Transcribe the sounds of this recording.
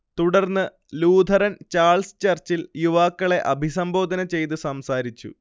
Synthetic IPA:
t̪uɽɐrnːɨ | luːd̪ʱɐɾɐnt͡ɕaːɭsɨ̥t͡ɕɐrt͡ɕiljuʋaːkːɐɭe̞ʔɐbʱis̬ɐmbo̞ːd̪ɐnɐt͡ɕe̞jt̪̬ɨsɐmsaːɾit͡ɕːṵ

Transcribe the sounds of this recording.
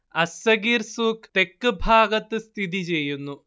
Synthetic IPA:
ɐsɐɡiːɾsuːkt̪e̞kːɨbʱaːɡɐt̪ːɨst̪ʰid̪̬it͡ɕe̞jːunːu

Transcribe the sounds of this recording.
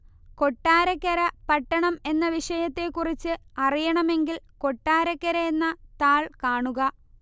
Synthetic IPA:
ko̞ʈːaːɾɐkːɐɾɐpɐʈːɐɳɐme̞nːɐʋiʂɐjɐt̪ːe̞kurit͡ɕːɨɐrijɐɳɐme̞ŋɡilko̞ʈːaːɾɐkːɐɾɐenːɐt̪aːɭkaːɳuɣɐ

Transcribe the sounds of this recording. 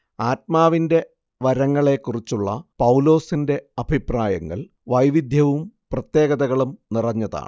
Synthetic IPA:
aːt̚maːʋinde̞ | ʋɐɾɐŋːɐɭe̞kːurit͡ɕːuɭːɐpɐwlo̞ːsinde̞ɐb̥ʱipraːjɐŋːɐ̰ɭ | ʋɐjʋid̪ʱjɐʋumprɐt̪je̞ːɡɐðɐɣɐɭumnirɐɲːɐða̰ːɳɨ

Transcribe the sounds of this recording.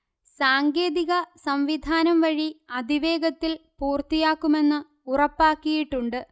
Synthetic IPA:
saːŋɡe̞ːðiɣɐsɐmʋid̪ʱaːnɐmʋɐɻiɐd̪ʱiʋe̞ːɡɐt̪ːilpuːrt̪ijaːkːume̞nːɨ | urɐpːaːkːijiʈːuɳɖɨ

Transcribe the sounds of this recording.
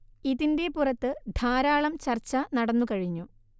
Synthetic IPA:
iðinde̞purɐt̪ːɨd̪ʱaːɾaːɭɐmt͡ɕɐrt͡ɕːɐnɐɽɐnːukɐɻiɲːu

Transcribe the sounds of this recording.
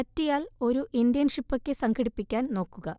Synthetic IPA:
ɐtːijaːlo̞ɾuʔind̪jɐnʂipːokʲːesɐŋkʰɐɽipːikʲːaːnno̞ːkːuɣɐ

